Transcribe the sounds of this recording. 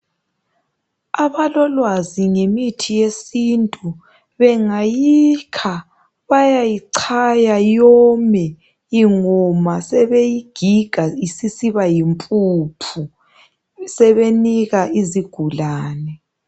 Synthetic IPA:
aβalɔlwaziŋemitʰijesintʼu | βɛŋajikʰa | βajajiǀʰajajɔmɛ | iŋɔmasɛβejiɡ̥ʱiɡ̥ʱaisisiβajimpʼuːpʰu | sɛβeniɣaʔiziɡ̥ʱulaːnɛ

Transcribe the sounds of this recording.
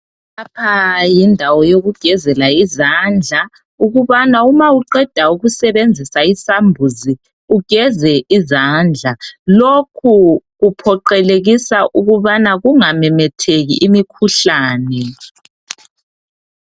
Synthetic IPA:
apʰajindʱawɔjoɣuɡ̥ʱɛzɛlaizand͡ɮʱa | uɣuβanaumauǃɛd̥ʱauɣusɛβend͡zʱisaisambʱuzi | uɡ̥ʱɛzɛizand͡ɮʱalokʰuɣupʰɔǃɛleɣisaʔuɣuβanaɣuŋamɛmɛtʰeɣḭʔːmikʰuɬaːnɛ

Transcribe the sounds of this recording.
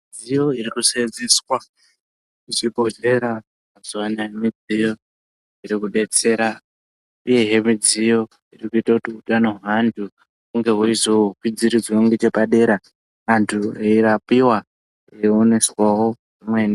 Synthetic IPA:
d͡zijo̞iɾikused͡ziswa | iʐibʱo̞d͡ʒe̞ɾa | azuwanajemid͡zijo̞ | iɾikuɗe̞t͡se̞ɾa | ije̞ɦe̞mid͡zijo̞ | irikuitakutiutano̞ɦandʱu | kuŋɡe̞ɦuizoukid͡ziɾid͡zwooŋɡet͡ʃe̞paɗe̞ɾa | ɦantʰueiɾapiwa | eone̞swawo̞ | ʐimweni

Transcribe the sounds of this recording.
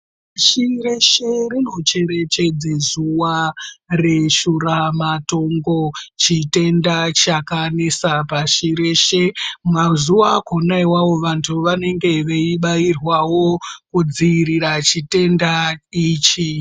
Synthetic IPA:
ʃire̞ʃe̞rino̞t͡ʃe̞ɾe̞t͡ʃe̞d͡zezuware̞ʃuɾamato̞ŋɡo̞t͡ʃite̞ndat͡ʃakanesapaʃiɾe̞ʃe̞mazuwakonaiwawo̞ʋantʰuʋane̞ŋɡe̞ʋe̞iɓairwawo̞kud͡ziːɾiɾat͡ʃite̞ndaiːt͡ʃi

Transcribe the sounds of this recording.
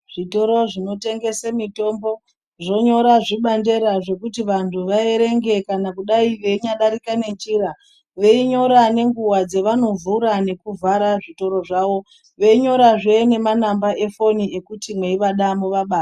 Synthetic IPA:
ʐ̥ito̞ɾo̞ʐino̞te̞ŋɡe̞semito̞mbo̞ | ʐo̞ɲo̞ɾaʐiɓande̞ɾaʐe̞kutiʋantʰuʋaeɾe̞ŋɡe̞kanakuɗaiʋe̞iɲaɗaɾikane̞t͡ʃiɾa | ʋe̞iɲo̞ɾane̞ŋɡuwad͡zeʋano̞vuɾane̞kuvaɾaʐito̞ɾo̞ʐaːʋo̞ | ʋe̞iɲo̞ɾaʐene̞manambae̞fo̞nie̞kutimwe̞iʋaɗamoʋaɓaːsa

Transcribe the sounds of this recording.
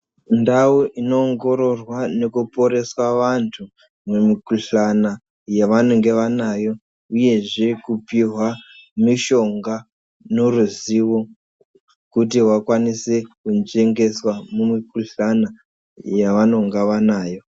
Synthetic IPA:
ndauʔino̞ːŋɡo̞ɾo̞rwane̞kupo̞ɾe̞swaʋantʰu | memikuɬana | jaʋano̞ŋɡe̞ʋanajo̞ | uje̞ʐe̞kupiɦwamiʃo̞ŋɡa | no̞ruziwo | kutiwakwanisekund͡ʒe̞ŋɡe̞swamumikuɬana | jaʋano̞ŋɡeʋanaːjo̞

